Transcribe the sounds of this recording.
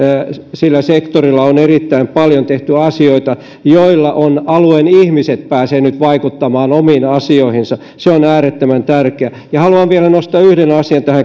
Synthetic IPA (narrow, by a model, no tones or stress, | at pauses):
silːæsekt̪orilːɑonerit̪ːæimpɑljont̪eht̪yɑsioit̪ɑ | joilːɑʔonɑluenihmiset̪̚pæːseːnyt̪ʋɑikut̪ːɑmɑːnomiːnɑsioihinsɑ | seonæːret̪ːømænt̪ærkeæ | jɑhɑluɑʋʋielænost̪ɑːyhdenɑsiɑnt̪æhæ